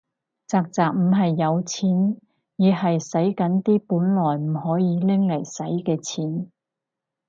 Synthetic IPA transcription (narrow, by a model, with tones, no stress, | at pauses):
t͡saː˧k̚t͡saː˨k̚m̩˨˩ɦɐ˨jːɐ˨˧wt͡sʰiː˨˥n | jiː˨˧hɐ˨jsɐ˨˥jkɐ˨˥nt̪iː˥puː˨˥nlɔː˨˩jm̩˨˩hɔː˨˥jiː˨˧lɪ˥ŋlɐ˨˩jsɐ˨˥jkɛː˧t͡sʰiː˨˥n